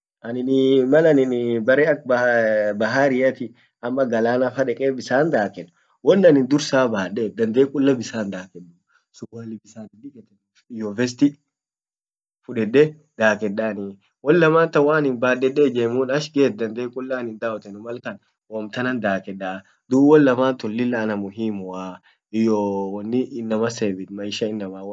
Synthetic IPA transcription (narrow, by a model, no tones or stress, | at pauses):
ʔɐnɪnmɐlɐnɪnbɐɾɛɐkbbɐɦaːɾɪjɐt̪ɪ | ɐmːɐɡɐlaːnafɐᶑɛkʼeːbɪsaːnd̪aːkɛnːʊ̥ | wɔnːɐnɪnd̪ʊɾsaːbaːɗeːd̪ɐnd̪eːkʼʊlːɐbɪsaːnd̪aːkɛᶑɐ | sʊbʊlɪbɪsaːd̪ɪd̪ɪkɛt̪ːɛn | ɪjɔvɛs̬t̪ɪ | fʊᶑɛᶑːɛ | d̪̥aːkɛɗaːni | wɔlːɐmaːnt̪ɐwaːnɪnbaːdɛɗeːd͡ʒeːmuːnɐʃɡeːt̪̚d̪ɐnd̪eːkʼʊlːaːnɪnd̪aːɔt̪ɛnʊmɐlkɐn | wɔmt̪ɐnɐnd̪aːkɛᶑa | d̪uːwɔlːɐmaːnt̪ʊlːɪlːɐːnɐmʊɦiːmʊa | ɪjowɐnːɪʔɪnːɐmɐseːbɪt̪mɐɪʃɐɪnːɐmaw